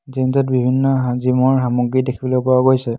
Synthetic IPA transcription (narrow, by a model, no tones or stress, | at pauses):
zinzɔt̚bibʱinːɔɦazimɔɹɦamuɡɹidekʰibɔlɔpɔwaɡojsɛ